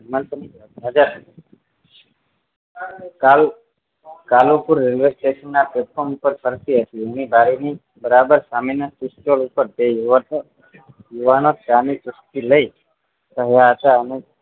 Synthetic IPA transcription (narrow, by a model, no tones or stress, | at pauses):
mənt̪əm | nəd͡ʒaɾ | kal | kalopuɾːelʋesʈeʃənːapepfʰomupəɾpəɾsiɦət̪ienibʱaɾini | bəɾabəɾsaminasisʈolupəɾt̪ej | juʋanosʈanit͡ʃʊst̪iləi | səɦjaɦət̪aəne